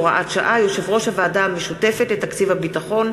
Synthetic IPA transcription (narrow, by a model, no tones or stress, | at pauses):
ʁaʔatʃa̰ʔajo̞ʃe̞vʁo̞ʃhavaːdaːmeʃute̞fetletakt͡sivhabitaχo̞n